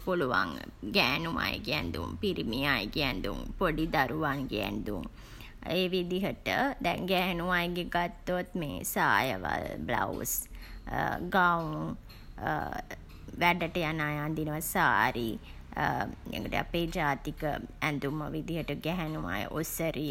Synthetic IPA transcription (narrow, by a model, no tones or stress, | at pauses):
puluʋa̰ŋɡæːnuʋa̰jə̰ɡiɛnd̪ṵmpiɾimiaːjəɡiɛnd̪umpoɖid̪aɾuʋaŋɡeɛ̰nd̪um | eːʋid̪iɦəʈəd̪ɛ̰ŋɡæɦænuʋajəɡeɡat̪ːot̪meːsaːjəʋa̰lbla̰us | ɡauŋ | ʋæɖəʈəjanaːjaːnd̪inəʋasaːɾi | ḛkəʈḛa̰peːd͡ʒaːt̪ikə̰ɛnd̪uməʋid̪iɦəʈəɡɛɦænuʋa̰jə̰ʔosəɾi